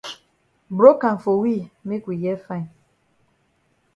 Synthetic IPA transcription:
bɾo˦ka˨ɱ˨fo˨wi˦˨me˦kwi˨jɛ˦fã˦˨i˨

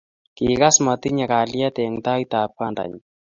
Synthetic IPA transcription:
ki˨ka˦sma˨t̪i˦ɲa˨ka˨la˦t̪ɛ˨ŋt̪a˦it̪a˨p̚ka˦nda̰˨ɲ

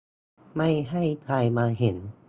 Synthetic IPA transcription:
ma˥˩jɦa˥˩jt̪ʰaː˧jmaː˧ɦe˩˦n

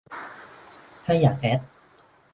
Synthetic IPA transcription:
t̪ʰaː˥˩jaː˨˩k̚ɛ˦˥t̪̚

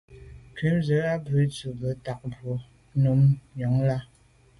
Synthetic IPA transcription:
kɥi˨˦mzə˨˦a˦bʉ˨˦t͡su˨bə˨˦ta˨k̚bwo˨˦ | nu˨˦mjɔ˨˦ŋla˦

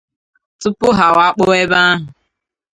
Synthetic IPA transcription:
tʊ˦pʊ˦ɦa˨wa˦k͡po˦e˦ba˦a˦ɦʊ˨

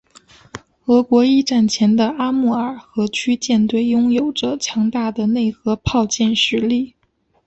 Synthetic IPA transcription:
xɤ˧˥kwɔ˧˥i˥˧ʈ͡ʂa˥˩nt͡ɕʰjɛ˧˥nd̪ə˧a˥mu˥˩ə˞˨˩xɤ˧˥t͡ɕʰy˥t͡ɕjɛ˥˧nt̪we˥˩ɪjʊ˥ŋjo˨˩ʊʈ͡ʂə˦t͡ɕʰjɑ˧˥ŋt̪a˥˩d̪ə˩ne˥˩ɪxɤ˧˥pʰɑ˥˧ʊt͡ɕjɛ˥˩nʂɻ̩˧˥li˥˩

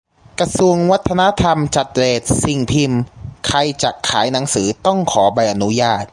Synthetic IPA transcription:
kɾa˧su˧əŋwa˦˥t̪ʰːa˧na˦˥t̪ʰa˧mt͡ɕa˨˩t̪̚ɾeː˨˩t̪̚si˨˩ŋpʰi˧mkʰa˧jt͡ɕa˨˩ʔkʰːaː˩˦jna˩˦ŋsɯː˩˦t̪ɔ˥˩ŋkʰɔː˩˦ba˧jʔa˧nu˦˥jaː˥˩t̪̚

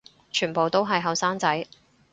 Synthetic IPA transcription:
t͡ʃʰyː˨˩npo˨wt̪o˥wɦɐ˨jɦɐ˨wsaː˥ŋt͡sɐ˨˥j

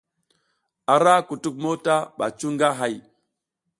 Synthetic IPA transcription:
a˨ɾa˦ku˨tu˦k̚mo˦ta˦ɓa̰˨t͡ʃu˦ŋɡa˦ɦa˦j

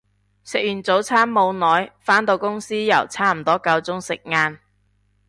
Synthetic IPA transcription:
sɪ˨k̚jyː˨˩nt͡so˨˥wt͡sʰaː˥nmo˧wnɔː˨˥jfaː˥nt̪o˧wkʊ˥ŋsiː˥jɐ˨˩wt͡sʰaː˥m̩˨˩t̪ɔː˥kɐ˧wt͡sʊ˥ŋsɪ˨k̚ŋaː˧n

